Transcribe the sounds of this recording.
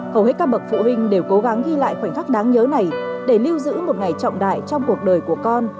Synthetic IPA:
xə˨˧˩whe˦˥kaː˧ɓə˨˩k̚fṵ˧˨hï˧ŋ̟ɗe˨˩wko˨˦ɣa˨˦ŋɣi˧la̰ː˧˨jxwa˧˩ŋxaː˦˥k̚ɗaː˨˦ŋɲəː˨˦na˨˩jɗe˧˩li˧əwzɨ̰˧˥mo˨˩t̚ŋa˨˩jt͡ɕɔ̰˧˨wŋ͡mɗa̰ː˧˨jt͡ɕɔ˧wŋ͡mku˨˩ək̚ɗəː˨˩jku˧˩əkɔ˧n

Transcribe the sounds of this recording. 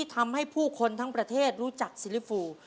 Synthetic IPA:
i˥˩t̪ʰa˧mha˥˩jpʰuː˥˩kʰo˧nt̪ʰa˦˥ŋpɾa˧t̪ʰeː˥˩t̪̚ɾuː˦˥t͡ɕa˨˩k̚si˧˥li˦˥fuː˧

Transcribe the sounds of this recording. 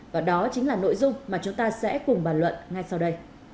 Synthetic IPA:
vaː˨˩ɗɔ˨˦t͡ɕï˨˦ŋlaː˨˩no̰˧˥jzʊ˧ŋ͡mmaː˨˩t͡ɕʊ˨˦ŋ͡mt̪aː˧sɛ̰˧˥kʊ˨˩ŋ͡mɓaː˨˩nlwə̰˧˨nŋa˧jsa˧wɗə˧j

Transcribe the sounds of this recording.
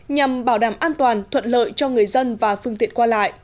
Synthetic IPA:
ɲa˨˩mɓaː˧˩wɗaː˧˩mʔaː˧nt̪waː˨˩nt̪ʰwə̰˧˨n̚lə̰ː˧˨jt͡ɕɔ˧ŋɨ˨˩əjzə˧nvaː˨˩fɨ˧əŋt̪ḭ˧˨ənkwaː˧la̰ː˧˨jʔ

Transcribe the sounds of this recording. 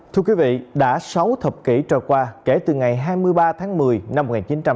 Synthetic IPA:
t̪ʰɨ˧əkwi˨˦vḭ˧˨ɗa̰ː˧˥sa˨˦wt̪ʰə˨˩p̚kḭ˧˩t͡ɕɔː˨˩jkwaː˧ke˧˩t̪ɨ˨˩ŋa˨˩jɦaː˧jmɨ˧əjɓaː˧t̪ʰaː˨˦ŋmɨ˨˩əjna˧mː˨˩k̚ŋaː˨˩t͡ɕi˨˦nt͡ɕa˧m

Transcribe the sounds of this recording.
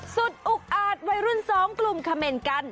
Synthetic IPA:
su˨˩t̪̚ʔu˨˩k̚ʔaː˨˩t̪̚wa˧jɾu˥˩nsɔː˩˦ŋklu˧mkʰa˧meː˧nka˥˩n

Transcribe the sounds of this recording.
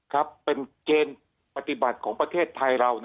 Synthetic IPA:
kʰa˦˥pːe˧nkeː˧n | pa˧t̪i˨˩ba˨˩t̪̚kʰɔː˩˦ŋpɾa˧t̪ʰeː˥˩t̪ʰːa˧jɾa˧wn

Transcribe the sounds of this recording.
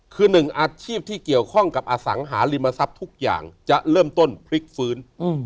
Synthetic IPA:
kʰɯː˧nɯ˨˩ŋʔaː˧t͡ɕʰiː˥˩p̚t̪ʰiː˥˩ki˨˩əwkʰɔ˥˩ŋka˨˩p̚ʔaː˧sa̰˩˦ŋɦaː˩˦li˧mːa˧sa˦˥p̚t̪ʰu˦˥k̚ja̰ː˨˩ŋt͡ɕa˨˩ʔɾɤː˥˩mt̪o˥˩npʰɾi˦˥k̚fɯː˦˥n

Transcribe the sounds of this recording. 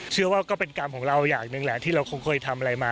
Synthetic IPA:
t͡ɕʰɯ˥˩əwaː˥˩kɔː˥˩pe˧nka˧mkʰɔː˩˦ŋɾa˧wjaː˨˩k̚nɯ˧ŋlɛ˨˩ʔt̪ʰiː˥˩ɾa˧wkʰo˧ŋkʰɤː˧jt̪ʰa˧mʔa˧ɾa˧jmaː˧

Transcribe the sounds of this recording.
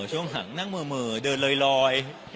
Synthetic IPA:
t͡ɕʰu˧˥˩əŋɦa̰˩˦ŋna˥˩ŋmɤː˧mɯː˧˩dɤː˧nlɤː˧jlɔː˧j

